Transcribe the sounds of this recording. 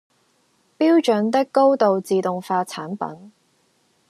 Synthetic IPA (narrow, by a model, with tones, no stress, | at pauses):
piː˥wt͡ʃɵ˨˥nt̪ɪ˥kːo˥wt̪o˨wt͡siː˨t̪ʊ˨ŋfaː˧t͡sʰaː˨˥npɐ̰˨˥n